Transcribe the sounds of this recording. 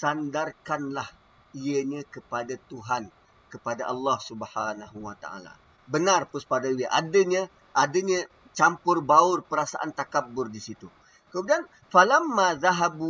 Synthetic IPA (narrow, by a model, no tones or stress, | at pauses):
sandarkanlah | iəɲə̃kəpadat̪uɦan | kəpadaʔɑlːɑhsubhanaɦuwat̪a̰a̰la̰ | bənarpuspadawiəʔadəɲə̃ | ʔadəɲə̃ | t͡ʃampʊrbaʊrpəɾasaʔa̰nt̪akabːʊrdisit̪u | kəmudian | falamːaðaɦabu